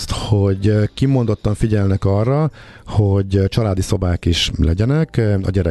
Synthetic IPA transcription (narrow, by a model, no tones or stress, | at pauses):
t̪ho̞ɟkimo̞nd̪o̞t̪ːɒɱfiɟɛlnɛkɒrːɒhoɟt͡ʃɒlaːd̪iso̞baːkiʃlɛ̰ɟɛnɛkɒ̰ɟɛɾɛ